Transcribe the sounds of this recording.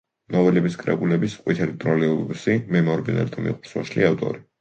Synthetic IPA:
nɔvɛlɛbiskʼɾɛ̰bulɛbisqʼwit̪ʰɛlit̪ʼɾɔliɔbbusimɛmɔɾbinɛ̰lt̪ʰɔmḭqʼuɾswɔʃliavt̪ʼɔ̰ɾi

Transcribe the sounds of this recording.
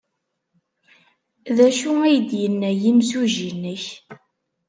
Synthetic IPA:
ðæʃuæjəd̪jənːæjimsuʒinːəç

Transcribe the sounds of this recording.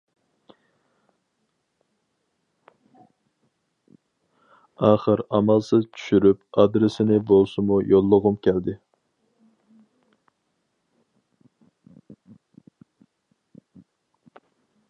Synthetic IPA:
ɑːχəɾɑmɑlˠsɪzt͡ʃʰy̥ʃyɾyp̚ɑd̪ɾɪsɪnɪbolˠsɨmujolˠːəʁʊmkʲʰɛld̪ɪ

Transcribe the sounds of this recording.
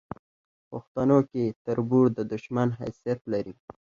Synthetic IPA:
pʊxt̪anoket̪əɾbuɽd̪əd̪ʊʃmanɦa̰sijat̪laɾi

